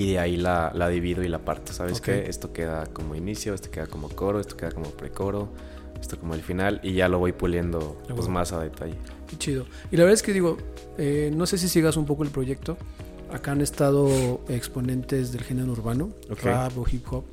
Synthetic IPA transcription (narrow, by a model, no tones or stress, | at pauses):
iðeailalaðiβiðoilapaɾt̪e̥saβeskeest̪o̞ke̞ðakomo̞inisjo̞est̪oke̞ðakomo̞ko̞ɾoest̪oke̞ðako̞mopɾe̞̰ko̞ɾo̞ | est̪oko̞moelfinaliʝalo̞βojpulje̞nd̪opwezmasaðe̞t̪aʝe | ket͡ʃiðo̞ | ilaβeɾðaeske̞ðiɣo̞ | eno̞se̞s̬isjeɣasump̬o̞koelpɾo̞ʝe̞k̚t̪o | akaane̞st̪aðo̞ekspo̞nẽ̞nt̪e̞zðe̞lxeneouɾβanookreaβoxipxop